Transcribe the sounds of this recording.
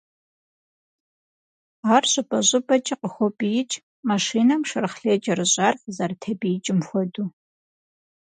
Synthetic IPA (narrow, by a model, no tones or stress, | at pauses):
aːrɕʼɪpʼɐʑʼɨbɐt͡ʃʼiqəxʷɔbʼijɪt͡ʃʼ | maʂiːnɐmʂɐrɨχɬeːd͡ʒʼɐrɨɕʼaːrzɐrtʰɐbijt͡ʃʼɪmxʷɔduː